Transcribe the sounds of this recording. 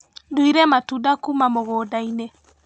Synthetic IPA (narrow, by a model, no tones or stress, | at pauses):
doiɾɛmatudakumamoɣoːdaine